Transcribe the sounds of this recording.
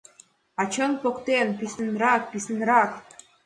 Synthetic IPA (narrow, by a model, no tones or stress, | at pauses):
ɑt͡ɕɤnpokt̪enpisə̆nɾɑk̚pisənɾɑk